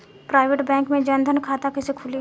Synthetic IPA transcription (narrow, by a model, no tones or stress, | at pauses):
pɾaːɪʋeʈbɛ̃ːŋkmẽd͡ʒɐnd̪ʱənkʰaːt̪akɪsekʰʊli